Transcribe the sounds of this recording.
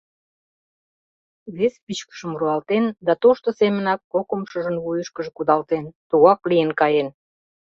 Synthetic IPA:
βespit͡ɕkə̥ʃə̆mruɑlt̪end̪ɑt̪oʃt̪osemə̆nɑkːokəmʃəʒə̆nβujəʃkəʒĕkud̪ɑlt̪ent̪uɣɑklijenkɑjen

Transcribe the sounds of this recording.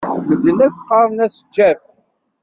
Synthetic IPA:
məd̪ːənækʷqːɑɾˤnæsəd͡ʒːæf

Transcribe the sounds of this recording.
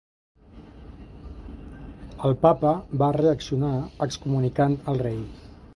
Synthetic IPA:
əlˠpapəbareəksiunaəkskumunikant̪əlˠrej

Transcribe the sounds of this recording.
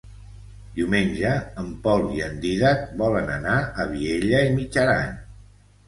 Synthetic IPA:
d̪iwmeɲʲʒəːmpɔlˠiənd̪iðat̪̚bɔlənə̰naəβieʎəimid͡ʒəɾa̰ɲ

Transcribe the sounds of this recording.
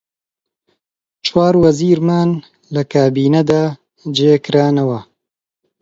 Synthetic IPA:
t͡ʃʰwaːɾwɐziːɾmaːn | lɐkʰaːbiːnɐd̪aː | d͡ʒeːkɨɾaːnɐwɐ

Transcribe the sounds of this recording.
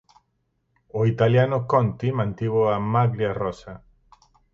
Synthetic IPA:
oit̪aljanokont̪imãnt̪iβoamaɣɾjarosa

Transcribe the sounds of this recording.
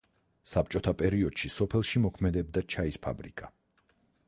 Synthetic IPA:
sap̚t͡ʃʼɔt̪ʰapʼɛɾiɔd̪̥ʃisɔpʰɛlˠʃimɔkʰmɛd̪ɛb̚d̪at͡ʃʰaispʰa̰bɾikʼa

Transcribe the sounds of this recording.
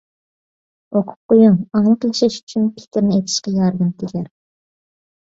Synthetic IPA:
oqʰʊ̥p̚qojuŋɑŋlˠəqjɑʃɛʃy̥t͡ʃʰynpʰɪ̥kʲɪɾnɪejt̪ʰɪ̥ʃqɑjɑɾd̪ɨmt̪ʰɪɡʲæɾ

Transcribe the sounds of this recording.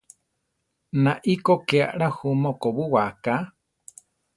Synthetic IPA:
nãʔikokeaʔɺahumokoβuwaka

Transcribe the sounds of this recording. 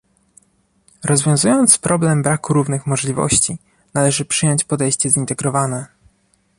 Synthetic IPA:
ɾɔzvʲjɔ̃w̃zujɔnt̪spɾɔblɛmbɾakuɾuvnɘxmɔʐlʲivɔ̰ɕt͡ɕi | nalɛʐɘpʂɘjɔɲt͡ɕpɔd̪ɛjɕt͡ɕɛzint̪ɛɡɾɔvanɛ

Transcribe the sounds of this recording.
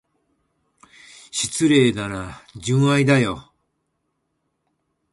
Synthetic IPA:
ɕi̥t͡sɨɾe̞ːd̪aɾad͡ʑɨ̃ɰ̃aid̪ajo

